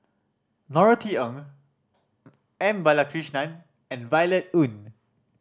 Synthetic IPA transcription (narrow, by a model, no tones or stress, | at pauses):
nɔɹətʰiə̃ŋ | ɛ̃mbalakʰɹiʃnãn | ɛ̃nvajlɛt̚ũn